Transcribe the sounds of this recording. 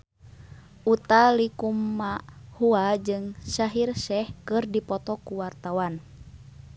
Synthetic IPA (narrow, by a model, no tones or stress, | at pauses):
ʔut̪alikumːahuad͡ʒɨŋsaɦirsɛhkɨrdipɔt̪ɔkuwart̪awan